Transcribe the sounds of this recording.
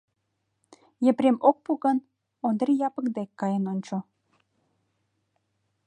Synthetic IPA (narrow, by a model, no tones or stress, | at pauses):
jĕprʲemok̚puɣən | ond̪rijɑpəkd̪ekːɑjənonʲt͡ɕo